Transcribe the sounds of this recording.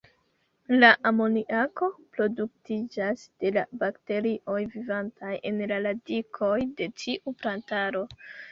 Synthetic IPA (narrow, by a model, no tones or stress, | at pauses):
laʔamo̞niʔako̞pɾo̞duk̚tid͡ʒasd̥e̞la̰bakte̞ɾiʔo̞jvivantʰaje̞nlaladikʰo̞jde̞t͡ʃiʔupɾantaɾo̞